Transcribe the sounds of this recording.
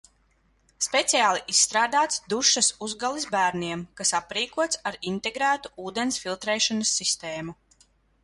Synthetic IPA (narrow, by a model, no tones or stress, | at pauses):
spet̪sijaːlˠiʔisːt̪ɾaːd̪aːt̪sd̪uʃɐsuzɡalˠizbæːɾniɛmkasapɾiːkuɔt̪saɾint̪eɡɾæːt̪u̥uːd̪ensfilˠt̪ɾɛːʃɔnɐsːist̪eːmu